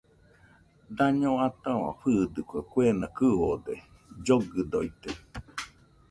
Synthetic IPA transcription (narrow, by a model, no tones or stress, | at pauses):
d̪aɲõat̪ãβã̰ɸɨːd̪ɯkʷakʷeːnakɨod̪e | d͡ʒoɡɨd̪oit̪e